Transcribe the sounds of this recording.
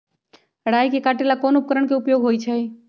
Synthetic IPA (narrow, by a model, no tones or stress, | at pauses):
ɽaːjkekaːʈelakoːnʊp̚kəɾəɳkeʊpjoːɡɦoːit͡ʃʰɛ